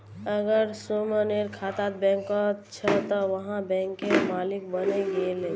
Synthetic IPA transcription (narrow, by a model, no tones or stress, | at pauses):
əɡəɾsoməneɾkʰaːt̪at̪̚bɛ̃ŋkɔt͡ʃʰət̪ɔʋəɦãbɛ̃ːŋkːemaːlɪk̚bəneɡelẽ